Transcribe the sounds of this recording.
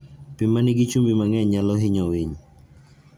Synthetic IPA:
pɪmanɪɡit͡ʃumbimaŋɛɲalɔɦɪɲɔwɪɲ

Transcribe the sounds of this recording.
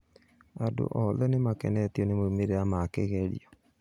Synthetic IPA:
ado̰ʔɔðɛnemakɛ̰nɛtiɔnemoimeɾeamakeɣɛɾḭɔ

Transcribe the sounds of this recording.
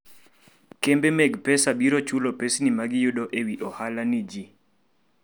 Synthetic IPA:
kembemɛɡpɛsabiɾɔt͡ʃulɔpesnimaɡɪjʊɗɔʔewiʔɔhalanid͡ʒi

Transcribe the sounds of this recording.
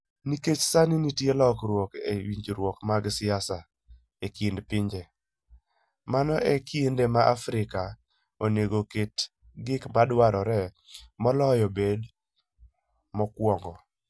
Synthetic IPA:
niket͡ʃsaninitjelɔkɾwɔkḛwiɲd͡ʒɾwɔkmaɡsɪasa | ekindpɪɲd͡ʒe | manɔʔekiendemaʔafɾɪka | oneɡoket | ɡɪkmadwaɾɔɾɛ | mɔlɔjɔbed | mɔkwɔŋɡɔ

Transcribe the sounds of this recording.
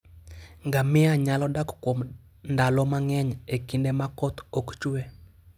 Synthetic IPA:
ŋɡamɪaɲalɔdakkwom | ndalɔmaŋɛɲekindemakɔt̪ɔkt͡ʃwe

